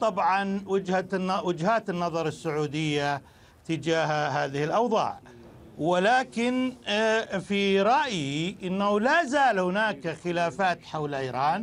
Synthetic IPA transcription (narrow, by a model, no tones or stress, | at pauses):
t̪ˤɑbʕɑnwɪd͡ʒhawɪd͡ʒhaːt̪ɪnːɑðˤɑɾˤɪsːʊʕuːd̪ɪjːa | t̪ɪd͡ʒaːhɦaːðɪhɪlʔɑwðˤɑ̰ːʕ | wɪlaːkɪn | fiɾˤɑʔjiʔɪnːahulazaːlhɪnaːkxɪlaːfaːt̪ħawlʔiːɾˤɑːn